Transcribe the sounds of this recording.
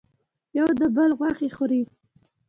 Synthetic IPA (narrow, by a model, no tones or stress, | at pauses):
jawd̪əbəlɣwaxixoɾi